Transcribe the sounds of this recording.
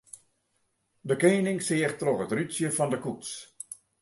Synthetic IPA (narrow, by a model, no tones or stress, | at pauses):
dəkeːnɪŋsɪəxtroxətrysjəfɔndəkuts